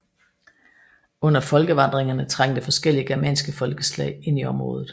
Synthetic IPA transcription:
ɔ̽n̰ɐfɒ̽lɡ̥əʋɑ̈nd̥ʁeŋɐnət͡sʰʁɑ̈ŋ̰d̥e̝fɒ̽sɡ̥el̰iəɡ̥eɐmɛ̰ːnsɡ̥əfɒ̽lɡ̥əslɛ̰ɪ̰e̝n̰iɒ̽mʁɔ̽ːð̞̩ˠ

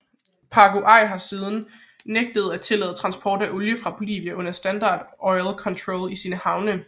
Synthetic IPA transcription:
pʰɑ̈ɡ̥o̝ʔɑ̈ɪ̰ɦɑ̈siːðˠn̩ | neɡ̥̚d̥əð̞̩ˠæt͡sʰe̝lɛ̰ːð̩ˠt͡sʰʁɑ̈nsb̥ʰɒ̰ːd̥æʔoljəfʁɑ̈b̥o̝lḭːʋiæʔɔ̽n̰ɐsd̥ænd̥ɑ̈ːd̥ʔɒ̽ɪlkʰɒ̽nt͡sʰʁɔːlisiːnəhɑ̈ʊnə

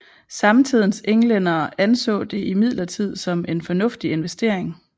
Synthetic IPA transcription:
sɑ̈mt͡sʰið̞̰ˠn̩seŋlenɐːænsɔ̰̽ːd̥e̝ʔimið̞̰ˠlɐt͡sʰið̞̰ˠsɒ̽me̝nfɒ̽nɔ̽fd̥ie̝nʋesd̥e̝ɐ̰e̝ŋ

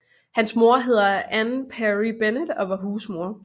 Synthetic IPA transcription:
hænsmo̝ɐɦe̝ð̞̰ˠɐʔænpʰæʁib̥enəd̥ɒ̽ʋɑ̈ɦuːsmo̝ɐ̰

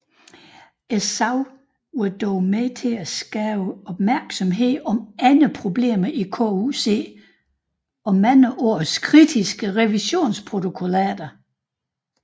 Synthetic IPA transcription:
esɑʊ | od̥ɔːmet͡sʰe̝æsɡ̥ɛːʊəɒ̽b̥mæɐɡ̥sɒ̽mɦe̝ð̰ˠɒ̽mænəpʰʁo̝b̥le̝̰ːmɐʔikʰo̰use̝̰ː | ɒ̽mænəʔo̝ɐ̰skʰʁid̥isɡ̥əʁɛʋiɕo̝̰ːnspʰʁo̝t͡sʰo̝kʰo̝læ̰ːd̥ɐ

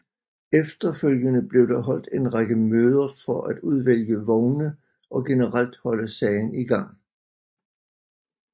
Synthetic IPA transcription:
efd̥ɐføljənəb̥le̝ʊd̥ɑ̈ɦɒ̽l̰d̥e̝nʁɑɡ̥əmøːð̞ˠɐfɒ̽ʔæd̥uð̞ˠʋel̰jəʋɒʊnə | ʔɒ̽ɡ̥e̝nəʁal̰d̥hɒ̽ləsɛɪniɡ̥ɑ̈ŋ̰

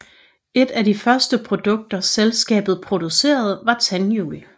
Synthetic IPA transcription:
e̝d̥æd̥ifɶɐsd̥əpʰʁo̝d̥ɔ̽ɡ̥̚d̥ɐselsɡ̥ɛ̰ːb̥ð̩ˠpʰʁo̝d̥use̝̰ːɐð̞ˠʋɑ̈t͡sʰænjṵːl

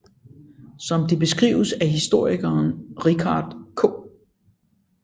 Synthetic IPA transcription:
sɒ̽md̥ib̥e̝sɡ̥ʁḭːʊəsæɦisd̥o̝ɐ̰iɡ̥ɐːnʁikʰɑ̈ːd̥kʰo̰ː

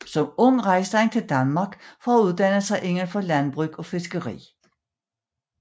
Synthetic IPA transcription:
sɒ̽mɔ̽ŋ̰ʁɑ̈ɪsd̥ɑŋt͡sʰe̝ld̥ænmɑ̈ɡ̥fɒæuð̞ˠd̥æn̰əsɑ̈ɪʔe̝ŋəɐnfɒ̽lænb̥ʁyɡ̥ɒ̽fe̝sɡ̥əʁḭː

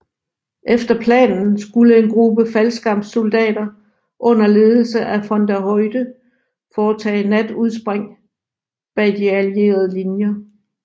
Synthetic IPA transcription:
ʔefd̥ɐpʰlɛ̰ːnn̩sɡ̥uləe̝nɡ̥ʁub̥əfælsɡ̥ɑ̈m̰̥so̝ld̥ɛ̰ːd̥ɐ | ʔɔ̽n̰ɐle̝ːð̞ˠl̩səʔæfɒ̽nd̥æhɔɪd̥ə | fɒːt͡sʰɛ̰ːnæd̥uðˠs̬b̥ʁeŋ̰ | b̥æd̥iælie̝̰ːɐð̞ˠəlinjɐ

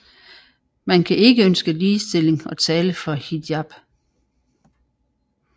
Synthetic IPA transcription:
mænkʰæʔe̝ɡ̥əønsɡ̥əliːsd̥e̝le̝ŋɒ̽t͡sʰɛːləfɒ̽hid̥jɑb̥

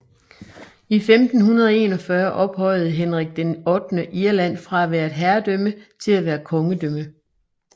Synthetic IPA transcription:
ifemd̥n̩hunɐð̞ˠɒe̝̰ːnɒ̽fɶɐʔɒ̽b̥hɒ̽ɪ̰ð̞̩ˠɦenʁiɡ̥̚d̥enɒ̽d̥nəʔiɐlæn̰fʁɑ̈æʋæːɐ̥ɦæɐd̥ømət͡sʰe̝læʋæːɐkʰɒ̽ŋəd̥ømə

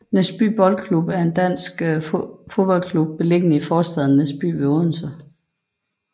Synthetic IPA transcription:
nesb̥y̰ːb̥ɒ̽lkʰlub̥æɐe̝nd̥æn̰sɡ̥fo̝ðˠb̥ɒ̽l̰kʰlub̥̚ːe̝le̝ɡ̥ənəifɒːsd̥æð̰ˠn̩esb̥y̰ːʋe̝oːðˠn̩sɐ

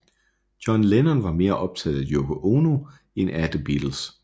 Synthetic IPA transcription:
d̥jɒ̽nlenɐnʋɑ̈me̝ːɐʔɒ̽b̥̚t͡sʰɛð̥̩ˠæjokʰoʔono | enæd̥əb̥id̥l̩s

